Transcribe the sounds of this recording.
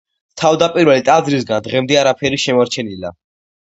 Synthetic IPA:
t̪ʰavd̪apʼiɾvɛlit̪ʼazɾisɡand̪ʁɛmd̪ɛaɾapʰɛɾiʃɛmɔɾt͡ʃʰɛnila̰

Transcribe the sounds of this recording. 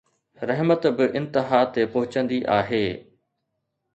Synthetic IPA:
ɾɐɦmət̪bɪʔɪ̃nt̪ɪɦaːt̪epʊɦʊt͡ɕə̃nd̪iʔaːɦeː

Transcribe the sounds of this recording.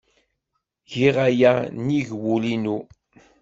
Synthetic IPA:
ʝiʁajæniʝwulinu

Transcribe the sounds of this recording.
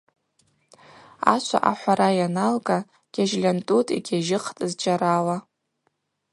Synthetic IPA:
a̰t͡ʃʷʰa̰ʔaħʷaɾajanalɡʼa | ɡ̥ʲaʒlʲantʼutʼḭɡʲaʒɪqʰtʼɨzd͡ʒʼaɾawa

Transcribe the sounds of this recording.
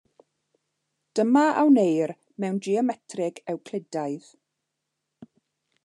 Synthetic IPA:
d̥əmaʔa̰wnejr | mɛwnd͡ʒiɔmɛtʰrɪɡɛwkʰl̥ɪdajð

